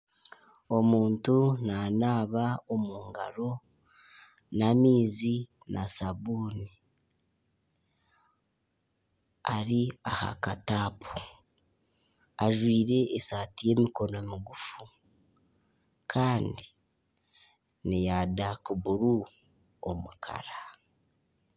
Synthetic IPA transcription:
o̞muːntunanaːβaomuːŋɡa̰ɾo̞ | namiːzi | nʔasaβuːni | aɾiaha̰kataːpu̥ | aʒwiːɾe̞ʔːsaːtije̞ːmiko̞no̞miɡufu | kʰaːndi | nijadakuβuɾu | o̰mukʰa̰ɾa

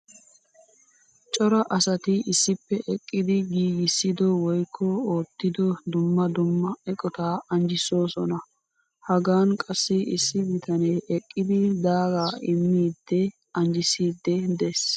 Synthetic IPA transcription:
t͡ʃʼɔɾɐʔɐsɐt̪ɪʔɪsːɪpːɛʔɛkʼːɪd̪ɪɡiːɡɪsːɪd̪ɔwɔjkʰːɔoːt̪ːɪd̪ɔd̪ʊmːɐd̪ʊmːɐɛkʼɔt̪aːɐnd͡ʒɪso̞ːsɔnɐ | hɐɡaːnkʼɐsːɪʔɪsːɪbɪt̪ɐneːʔɛkʼːɪd̪ɪd̪aːɡaːʔɪmːiːd̪ːɛ | ɐnd͡ʒɪsiːd̪ːɛd̪es

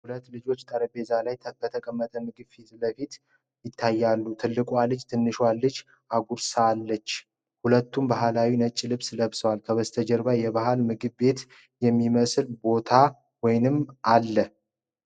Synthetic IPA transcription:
hulət̪ːlɨd͡ʒo̞t͡ʃːt̪ʼəɾəbe̞zalajbət̪ʰəkʼəmːət̪ʼəmɨɡɨβfiɨləfit̪ | jɪt̪ʰːajːalːut̪ʰɨlːɨkʼwalɨd͡ʒt̪ʰɨnːɨʃwalːɨd͡ʒ | aɡʷuɾsalːət͡ʃː | hulət̪ːumbaɦalawinət͡ʃʼːilɨβsləβsəwalkʰəβəst̪ʰəd͡ʒəɾbajɛβaɦalmɨɡɨβbe̞t̪ | jɛmːiməsɨlbo̞t̪ʰa | wɔjnɨmalːə

